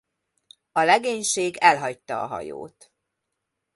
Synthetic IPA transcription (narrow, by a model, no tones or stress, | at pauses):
ɒlɛɡeːɲʃeːɡɛlɦɒc̚t̪ɒːɦɒ̰jo̰ːt̪